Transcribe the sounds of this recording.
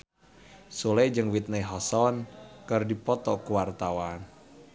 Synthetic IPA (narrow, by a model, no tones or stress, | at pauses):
suled͡ʒɨŋwit̪̚neɦɔsɔnkɨrdipɔt̪ɔkuwart̪awan